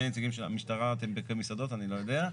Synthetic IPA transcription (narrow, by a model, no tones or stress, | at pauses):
enet͡saɡimʃea̰miʃtaʁat̪embekamisad̪o̞tanilo̞jod̪ea